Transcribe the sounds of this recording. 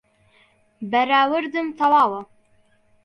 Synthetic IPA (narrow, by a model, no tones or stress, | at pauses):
baɾɑːwəɾd̪ɨmt̪awɑːwa